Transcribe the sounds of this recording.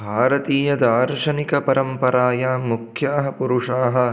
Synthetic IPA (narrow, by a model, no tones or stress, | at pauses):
bʱaːɾɐt̪iːjɐd̪aːɾʂɐnikɐpɐɾɐmpɐɾaːjaːmukʰjaːɦɐpuɾuʂaːɦɐ